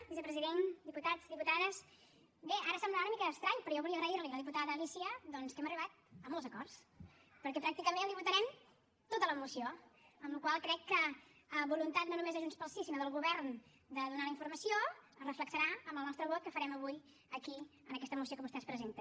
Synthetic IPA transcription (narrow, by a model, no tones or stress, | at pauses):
bisəpɾəziðend̪iput̪azd̪iput̪aðəs | beʔaɾəsɛmblaunəmikəːkst̪ɾaɲpɾɔjɔβuliəɣɾəiɾliləðip̬ut̪aðəðəlisiəd̪ɔnskɛməriβ̞at̪̚əmolˠzəkɔrs | pəɾkɛpɾak̚t̪ikəmẽnəlˠd̪iβut̪əɾɛm | t̪ot̪ələmusioəmlukwalˠkɾɛkːəː | βulunt̪at̪nonumezðəʒunspəlˠsisinoðəlˠɣuβɛɾn | d̪əðunaləiɱfuɾməsioəzrəfləksəɾaəməlˠnɔst̪ɾəβot̪̚kəfəɾɛməβuj | əkiənəkɛst̪əmusiokəβust̪ɛspɾəzent̪ə